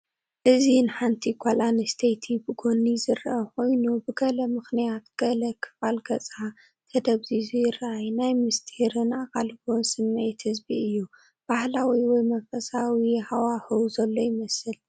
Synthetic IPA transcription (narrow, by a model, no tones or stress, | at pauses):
ʔɨzinɨħant̪ʰiɡʰʷalʔanɨst̪ʰejt̪ʰibɨɡonizɨɾʔako̞jnubɨɡɐlɐmɨxnijat̪̚ɡ̥ɐlɐkʰɨ̥falɡɐt͡sʼa | t̪ʰɐd̪ɐβzizujɪrʔajnajmɨst̪ʰihɾɨnakʼalɡonsɨmːejt̪hɨzbiɨjːu | b̥ahlawiwɔjmɐfɐsawihawaxɨwzɐlːo̞jɪmɐsɨl